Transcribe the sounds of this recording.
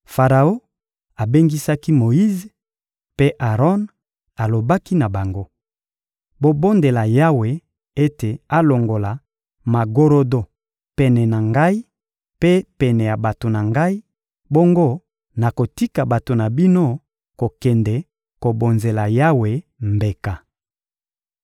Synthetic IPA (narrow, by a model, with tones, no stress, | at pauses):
fa˨ʁa˨o˦ | a˨be˦ŋɡi˦sa˦ki˦mo˨ji˦ze˨ | pe˦ʔa˨ʁɔ˦n | a˨lo˨ba˦ki˦na˨ba˨ŋɡo˦ | bo˨bo˦nde˨la˨ja˦we˨ | e˦te˨a˦lo˨ŋɡo˨la˨ | ma˨ɡo˦ɾo˦do˦ | pɛ˨nɛ˨na˨ŋɡa˦i˦ | pe˦pɛ˨nɛ˨ja˨ba˨to˨na˨ŋɡa˦i˦ | bo˦ŋɡo˦ | na˨ko˨ti˦ka˨ba˨to˨na˨bi˦no˦ | ko˨kɛ˨ndɛ˨ | ko˨bo˨nze˨la˨ja˦we˨mbe˨ka˨